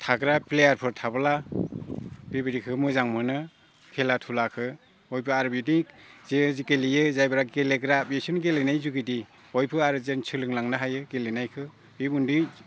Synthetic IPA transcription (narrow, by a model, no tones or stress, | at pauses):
tʰaɡɾaplejaɾpʰɔɾtʰabɯla | b̥ebiɾikʰɯmɯzaŋmɯnɯ | kʰelatʰulakʰɯ | ɔjpʰɯaɾɯbitizezikelijɯzajbɯɾaɡeleɡɾabesunɡelenajzuɡidi | ɔjpʰɯaɾɯzent͡ʃʰɯlɯŋlaŋnɯɦajɯɡelenajkʰɯ | bibundi